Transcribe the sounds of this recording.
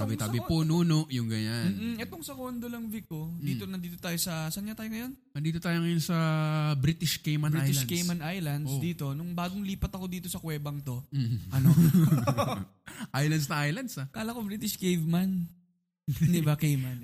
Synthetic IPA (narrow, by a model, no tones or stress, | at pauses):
aːbɪt̪aːbɪpuːnuːnoʔjʊŋɡɐjanmn̩ːʔm̩ʔɛt̪oŋsɐkond̪olɐŋvɪk̚o̞d̪iːt̪onɐnd̪iːt̪ot̪aːjosɐsɐnɲat̪aːjoŋɐjon | nɐnd̪iːt̪ot̪aːjoŋɐjonsɐbɾit̪ɪʃkejmɐnbɾiaj̪ɪlkejmɐnʔajlɐnd̪sd̪iːt̪o̞nʊŋbaːɡoŋliːpɐt̪ɐko̞d̪iːt̪o̞sɐkwɛːbɐŋt̪o̞ʔɐno | ʔajlɐnd̪snʔajlɐnd̪sakaːlɐkobɾiːt̪ɪʃkejvmɐn | d̪ɪbakejmɐn